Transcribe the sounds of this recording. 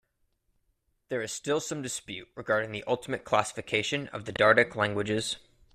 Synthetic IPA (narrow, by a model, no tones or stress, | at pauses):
ðə˞ɨz̥stɪlˠsʌ̃mdɨspjʉʔ̚ɹɨɡɑɹɾɪ̃ŋðiʔʌlˠtʰəmɨt̚kʰl̥æsə̥fɨkʰeɪʃɨ̃nʌ̰vðɨdɑɹɾɨklæ̃ŋɡwɨd͡ʒɪz̥